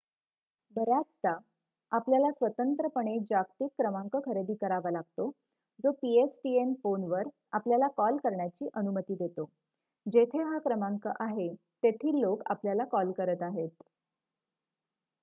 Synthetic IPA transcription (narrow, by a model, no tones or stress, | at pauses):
bəɾjat͡st̪a | apljalasʋət̪ənt̪ɾəpəɳ̃ed͡ʑakʈ̪ikːɾəmaŋkəkʰəɾed̪iːkəɾaʋalaɡ̚t̪o | d͡zopiesʈienfonʋəɾ | apljalakɔlkəɾɳjat͡ɕiːʔənumət̪iːd̪et̪o | d͡ʑet̪ʰeɦakɾəmaŋkəʔaɦe | t̪et̪ʰiːlːoka̰pljalakɔlkəɾət̪aɦet̪